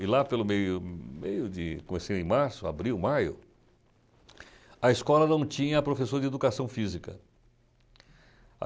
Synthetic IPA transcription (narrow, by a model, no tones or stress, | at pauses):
ɪlapelʊmejʊmḛjʊd͡ʒɪkomesẽj̃d̪ẽj̃maɾsʊa̰bɾiwmajʊ̰ | ɐeskɔlɐnɐ̃w̃t͡ʃĩɲɐːpɾofesoɾɐd͡ʒɪed̪ukasɐ̃w̃fizikɐ̰ | a̰